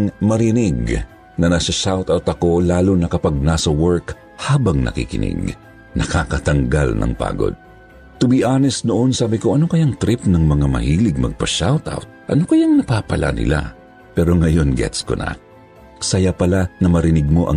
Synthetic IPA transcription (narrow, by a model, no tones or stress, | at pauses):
ŋmɐɾɪnɪɡ | nɐnɐsɐʃawt̪awt̪ɐko̞laːlonɐkɐpɐɡ̚nasɐwɛɹk | haːbɐŋnʔɐ̰kḭkɪ̰nɪ̰ɡ | nɐkakɐt̪ɐŋɡa̰lnʔɐ̰ŋpa̰ːɡo̞̰d̪̚ | t̪ʊbiʔaːnɛsnoʔo̞nsaːbɪko̞ʔɐno̞kɐjaŋt̪ɾɪpnɐŋmɐŋamɐ̰hiːlɪɡ̚mɐ̰ɡ̚pɐʃawt̪a̰wt̪̚ʔɐno̞kɐjaŋnɐpapɐlʔa̰nɪ̰la̰ | pɛɾo̞ŋɐjo̞nɡɛ̰t̪sko̰nɐ̰ | sɐjapɐlanɐmɐɾɪnɪɡ̚mo̞ʔɐ̰